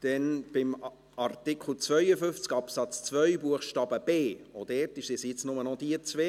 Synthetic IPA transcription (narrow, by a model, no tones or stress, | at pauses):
d̥ɛnb̥ɪm | ɑɾtɪkχl̩t͡svœʏəfʏft͡skɑpsɑt͡st͡svœʏbuəχʃtɑːbəb̥eːod̥ɛːrtɪʃsɪsjɪt͡snʊmənɔd̥iət͡sʋeː